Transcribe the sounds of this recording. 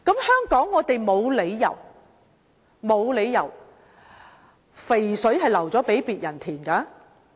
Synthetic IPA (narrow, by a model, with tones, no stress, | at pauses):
kɐ˨˥mhœː˥ŋkɔː˨˥ŋːɔː˨˧t̪e˨jmo˨˧wle˨˧jːɐ̰˨˩w | mo˨˧wle˨˧jjɐ̰˨˩w | fe˨˩jsɵ˨˥ɥɦɐ˨jlɐ˨˩wt͡sɔː˨˥pe˨˥jpiː˨t̚jɐ˨˩nt̪ʰiː˨˩nkaː˨˧˦